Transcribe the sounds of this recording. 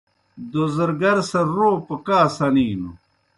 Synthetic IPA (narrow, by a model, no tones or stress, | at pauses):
d̪ozɐɾɡɐɾsɐɾoːpɐkaːsɐniːnu